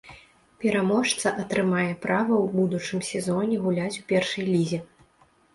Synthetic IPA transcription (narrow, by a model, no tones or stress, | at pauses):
pʲɛɾamɔʂt̪sɐʔɐt̪ɾɨmajɛpɾʔavɐwbud̪ut͡ʂɨmsʲɛzɔnʲɛɣulʲat͡sʲupʲɛrʂɐjlʲizʲɛ